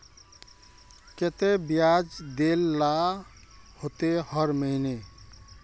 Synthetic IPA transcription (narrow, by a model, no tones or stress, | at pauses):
ket̪ebijad͡ʒd̪elːa | hot̪ehəɾməɪne